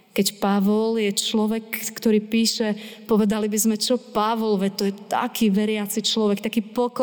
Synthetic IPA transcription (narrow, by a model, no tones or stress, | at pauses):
kɛcpaʋɔljɛt͡ʃlɔʋɛkːt̪ɔɾiːpiːʃɛpɔʋɛd̪alibizmɛt͡ʃɔpaʋɔlʋɛt̪ɔjɛt̪a̰kʰiːʋɛɾɪat͡sit͡ʃlɔʋɛkt̪akiːpɔk